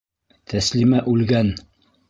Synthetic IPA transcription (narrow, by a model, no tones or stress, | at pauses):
t̪ʰæslimæʔʉlɡæn